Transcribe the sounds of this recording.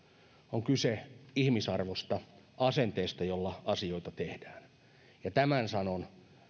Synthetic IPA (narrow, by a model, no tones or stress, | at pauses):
oŋkyseihmisɑrʋost̪ɑ | ɑsent̪eːst̪ɑjolːɑɑsioit̪ɑt̪ehd̥æːn | jɑt̪æmænsɑnon